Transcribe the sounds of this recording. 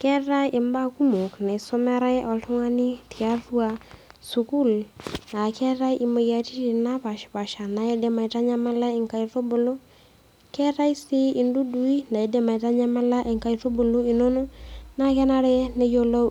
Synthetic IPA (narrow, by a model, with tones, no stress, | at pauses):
kɛ˦ɾa˦e˨mba˦ku˦mu˨kna˨so˦mɛ˦ɾa˦ʔɔ˨lto˦ŋa˦ni˦ti˨a˦tu˦a˦su˨ku˦˨la˨kɛ˦ɾa˦ʔi˨ma˨ja˨ti˦i˨na˦pa˨ʃpa˨ʃa˨na˨je˦de˦ma˨i˨ta˦ɲa˦ma˦la˦e˨ŋka˨i˨to˦bo˨lo˦ | kɛ˦ɾa˦i˦si˦i˨ndu˦du˨˦i˦na˨e˨˦de˦ma˨ta˦ɲa˦ma˦la˦ʔe˨ŋka˦i˨to˦bo˨lo˦i˨no˦no˦na˦kɛ˦na˦ɾɛ˦ne˦jo˦lo˦